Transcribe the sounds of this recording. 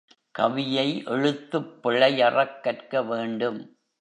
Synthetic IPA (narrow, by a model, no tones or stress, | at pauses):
kɐ̰ʋɪjɐɪʔʔɛɻɯt̪ːɯpːɪɭɐɪjɐrɐkːɐrkɐʋeːɳɖɯm